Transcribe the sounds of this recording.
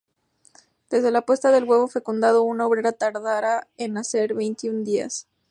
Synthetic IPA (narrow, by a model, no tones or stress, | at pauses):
d̪̥e̞zðe̞lapwe̞st̪aðe̞lɣwe̞βo̞fe̞kund̪að̞o̞unaoβɾe̞ɾat̪aɾðaɾaenase̞ɾβe̞jnt̪iund̪ia̰s